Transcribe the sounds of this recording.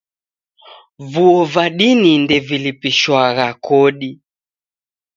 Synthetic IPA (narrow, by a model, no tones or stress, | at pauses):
vuɔvaɗinindɛvilipiʃwaɣakɔɗi